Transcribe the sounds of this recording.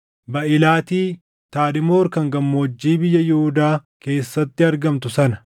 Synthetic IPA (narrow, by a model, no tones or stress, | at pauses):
bɐʔɪlaːt̪iː | t̪aːd̪ɪmoːɾkɐŋɡɐmːoːd͡ʒːiːbɪjːɐjʊhʊd̪aː | ke̞ːsːɐt̪ːɪɐɾɡɐmt̪ʊsɐnɐ